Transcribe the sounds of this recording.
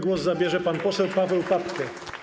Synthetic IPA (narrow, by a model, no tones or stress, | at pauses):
ɡwɔszabʲjɛʐɛpanpɔsɛwpavɛwpat̪kɛ